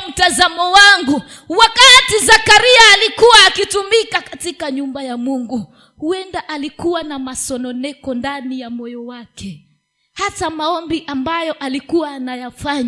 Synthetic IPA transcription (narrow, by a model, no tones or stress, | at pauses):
m̩tazamɔwaŋɡu | wakatizakaɾiaːlikuwaːkitumikakatikaɲumbajamuŋɡu | huɛndaʔalikuwanamasɔnɔnɛkɔndanijamɔjɔwakɛ | hatamaɔmbiʔambajɔʔalikuwanajafaɲa